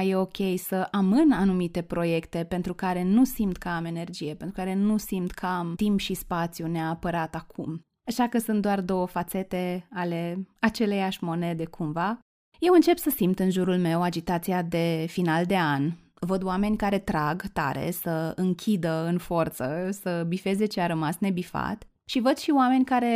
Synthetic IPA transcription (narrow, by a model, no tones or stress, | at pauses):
je̞o̞kʲe̞jsəʔamɨnanumit̪e̞pɾo̞je̞kt̪e̞pe̞nt̪ɾukaɾe̞nusimt̪kəame̞ne̞rd͡ʒije̞pent̪ɾukaɾe̞nusimt̪kʰəamt̪impʃispat̪sijuneaːpəɾat̪akʰum | aʃakəsunt̪̚d̪oard̪o̞wəfat̪se̞t̪e̞ale̞at͡ʃe̞lejaʃʲmo̞ne̞d̪e̞kʰumva | je̞wɨnt͡ʃe̞psəsimt̪ɨnʒuɾulme̞wad͡ʒit̪at̪sijad̪e̞finald̪e̞an | vəd̪oame̞nʲkaɾe̞t̪ɾaɡt̪a̰ɾe̞̰səɨŋkʲʰid̪əɨnfo̞rt̪səsəbife̞ze̞t͡ʃeaɾəmasne̞bifa̰t̪ | ʃivəd̪̥ʃioame̞nʲkaɾe̞